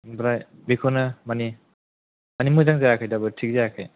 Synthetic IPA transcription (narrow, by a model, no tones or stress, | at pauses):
bɾajbikʰɔnamani | manimuzaŋzajakʰajdabɯtʰik̚zajakʰaj